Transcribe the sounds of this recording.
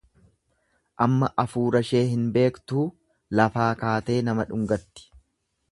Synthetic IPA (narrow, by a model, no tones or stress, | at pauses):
ʔɐmːɐʔɐfuːɾɐʃe̞ːɦɪnbe̞ːkt̪uː | lɐfaːkaːt̪e̞ːnɐmɐᶑʊŋɡɐt̪ːɪ̥